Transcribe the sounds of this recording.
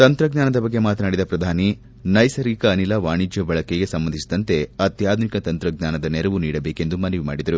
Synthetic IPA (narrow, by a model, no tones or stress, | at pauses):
t̪ɐnt̪ɾɐɡɲaːnɐd̪ɐbɐɡːe̞maːt̪ɐnaːɽid̪ɐpɾɐd̪ʱaːni | nɐjsɐɾiːkɐːnilaːʋaːɳid͡ʒjɐbɐɭɐkeɡe̞sɐmbɐnd̪ʱisid̪ɐnt̪e̞ɐt̪jaːd̪ʱunikɐt̪ɐnt̪ɾɐɡɲaːnɐd̪ɐnɛɾɐʋuniːɽɐbeːke̞nd̪umɐnɐʋima̰ːɽid̪ɐɾu